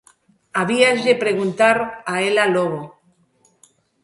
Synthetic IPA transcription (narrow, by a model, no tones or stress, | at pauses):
aβiazðepɾeɣ̞unt̪aɾaelaloɣ̞o